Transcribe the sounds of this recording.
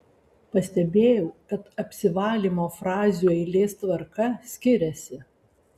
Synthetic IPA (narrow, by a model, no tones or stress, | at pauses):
pɐsʲt̪ʲɛbʲeːjɛʊkɐt̪ɐpʲsʲɪʋɑːlʲiːmoːfɾɑːzʲuːɛɪlʲeːst̪ʋɐɾkɐsʲkʲɪɾʲɛsʲɪ